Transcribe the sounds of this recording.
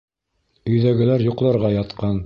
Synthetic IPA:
ɵ̆jðæɡɘ̆læɾjŭqlˠɑɾʁɑjɑt̪qɑn

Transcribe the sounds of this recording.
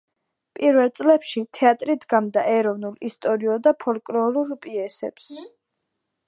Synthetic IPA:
pʼiɾvɛlt̪sʼlɛpʃit̪ʰɛat̪ʼɾid̪ʰɡamd̪aʔɛɾɔvnulist̪ʼɔɾiɔd̪apʰɔlkʼlɔluɾpʼiɛsɛ̰ps

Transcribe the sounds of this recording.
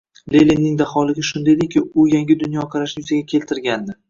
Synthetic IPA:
lelinːɪŋd̪aχɒlˠɪɡʲaʃʊnd̪ajd̪ekʲʰːɪʊjaŋɡʲɪd̪ʊnjɒqʰɑɾaʃnɪjʊzaɡʲakʲʰe̞lt̪ʰɪɾɡʲand̪ɪ

